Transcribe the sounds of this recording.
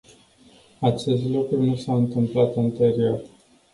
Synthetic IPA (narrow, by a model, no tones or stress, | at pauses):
at͡ʃe̞st̪lukɾunusaɨnt̪ɨmplat̪ant̪e̞ɾio̞r